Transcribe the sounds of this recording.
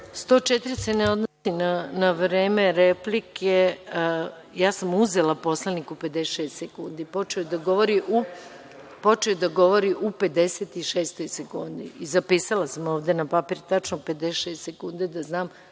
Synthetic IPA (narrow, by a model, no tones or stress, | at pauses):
st̪ot͡ʃet̪iɾiseneo̞d̪nosinanaʋɾeːme̞ɾeplikʰe | jaːsamuzelapo̞slˠenikupe̞d̪eʃeːst̪sekund̪ipo̞t͡ʃeojd̪aɡo̞ʋoɾiʔu | po̞t͡ʃeod̪aɡo̞ʋo̞ɾiʔupe̞d̪eseːt̪iʃeːst̪o̞jsekund̪iizapiːsalasamo̞ːʋd̪e̞napapiɾt̪at͡ʃnoupe̞d̪eʃeːst̪sekund̪ed̪aznaːm